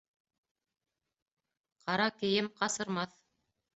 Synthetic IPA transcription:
qɑɾɑkɘ̆jɘmqɑsɤ̆ɾmɑθ

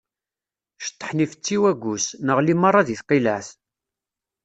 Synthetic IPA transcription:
ʃə̥t̪ˤːə̥ħnifət͡sːiwæɡʷusnəʁlimɑrˤːɑðiθqːilæθ

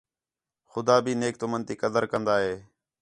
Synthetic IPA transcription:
xʊd̪aːbʱiːneːk̚t̪omənt̪iːkəd̪əɾkənd̪aːɦeː

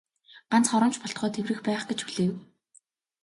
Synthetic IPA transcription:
ɢ̥ant͡sχɔɾɞ̆mt͡ɕpɔɬt̪χœːt̪ʰewrɘ̆xpæːχɡet͡ɕpuɮeːw

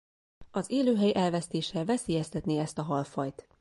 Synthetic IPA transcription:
ɒzeːløːɦɛjʔɛlvɛst̪eːʃɛlvɛseːjɛst̪ɛt̪neːɛst̪ɒɦɒlfɒjt̪

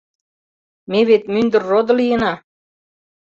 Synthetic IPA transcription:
meβet̪mynd̪ə̆rːod̪ə̆lijə̆nɑ

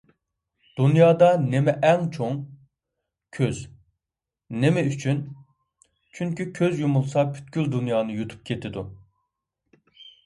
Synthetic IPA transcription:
d̪̥unjɑːd̪ɑnemɛʔɛŋt͡ʃʰoŋ | kʲʰøz | nemɛyt͡ʃʰyn | t͡ʃʰyŋkʰʲykʲʰøzjumulˠsɑpʰy̥t̪̚ɡʲylʲd̪unjɑːnɨjut̪ʰu̥p̚kʲʰet̪ʰɪd̪u

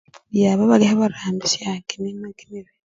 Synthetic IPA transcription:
jaːβaβalihaβaɾaːmbisjaːkenemaɡineβe

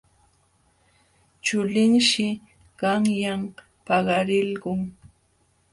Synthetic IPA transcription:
t͡ʃʊlɪŋʃɪ | ɢɑŋjam | pɑɢɑɾɪlɢʊŋ

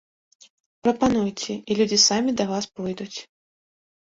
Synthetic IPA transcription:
pɾɐpanujt͡sʲɛilʲud͡zʲisamʲid̪ɐvaspɔjd̪ut͡sʲ

